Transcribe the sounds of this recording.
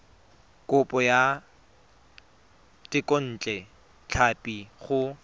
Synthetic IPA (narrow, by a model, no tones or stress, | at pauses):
kʼʊpʼɔja | tɪkʼon̩ːt͡ɬʼɛ | t͡ɬʰapʼiχʊ